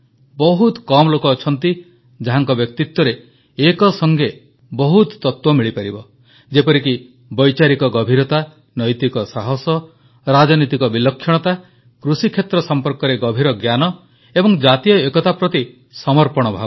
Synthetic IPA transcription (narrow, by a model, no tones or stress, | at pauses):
bɔɦut̪kɔmɔlokɔːt͡ʃʰɔnt̪i | d͡ʒaɦaŋkɔbjɔk̚t̪it̪wɔɾeː | kɔsɔŋɡe | bɔɦut̪ːɔt̪wɔmiɭipaɾibɔ | d͡ʒepɔɾiki | bɔjt͡ʃaɾikɔɡɔbʱiɾɔt̪a | nɔjt̪ikɔsaɦɔsɔ | ɾad͡ʒɔnit̪ikɔbilɔkʰːjɔɽ̃ɔt̪a | kɾusikʰjet̪ɾɔsɔmpɔɾkɔɾeɡɔbʱiɾɔɡjanɔ | ebɔŋd͡ʒat̪ijɔekɔt̪apɾɔt̪i | sɔmɔɾpɔɽ̃ɔbʱabɔ